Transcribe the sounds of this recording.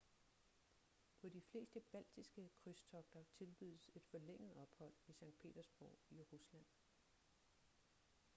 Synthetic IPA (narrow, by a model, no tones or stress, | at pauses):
pʰɒ̽difle̝̰ːsd̥əb̥æl̰d̥isɡ̥əkʰʁyst͡sʰɒ̽ɡ̥̚d̥ɐt͡sʰe̝lb̥yð̰ˠəse̝d̥fɒ̽leŋ̰əð̩ˠɒ̽b̥hɒ̽l̰isɑ̈ŋ̰d̥̚pʰe̝̰ːd̥ɐsb̥ɒʊ̰iʁuslæn̰